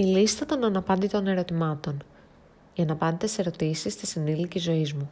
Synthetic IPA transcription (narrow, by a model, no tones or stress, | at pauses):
ilist̪ɐt̪o̞nɐnɐpɐnd̪it̪o̞ne̞ɾo̞t̪imɐt̪o̞n | ʝɐnɐpɐnd̪et̪ese̞ɾo̞t̪isist̪isinilicizo̞izmu